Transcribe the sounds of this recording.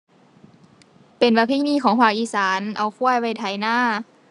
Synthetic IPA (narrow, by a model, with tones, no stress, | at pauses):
pe˨nbaː˧˩pʰiː˧˥˨niː˧˥˨kʰɔː˨˦ŋpʰaː˧˩k̚ʔiː˧˩saː˨˩˦nʔa˨˩wkʰu˧˥ɐjwa˧˩jt̪ʰa˨˩˦jnaː˧˥˩